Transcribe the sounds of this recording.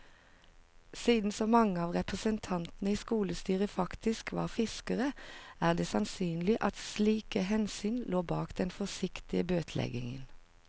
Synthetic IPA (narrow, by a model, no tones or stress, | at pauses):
siːd̪n̩sɔmɑŋəɑːʋʁɛpʁəsənt̪ʰɑnt̪nəiːskuːləst̪yːʁəfɑkt̪ɪskʋɑ̰ːʁfɪskəʁəæːʁd̪eːsɑnsyːnlɪʔɑt̪sliːkəɦɛnsyːnloːbɑːkd̪ɛnfɔsɪkt̪ɪəbøːt̪ʰlɛ̰ɡɪ̰ŋən